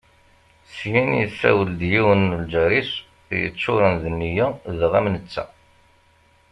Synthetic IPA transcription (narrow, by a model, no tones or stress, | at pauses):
sjinjəsæ̰wəld̪jiwənːəld͡ʒæɾis | jə̰t͡sːʊɾənðənːijæðʁæmnət͡sːæ̰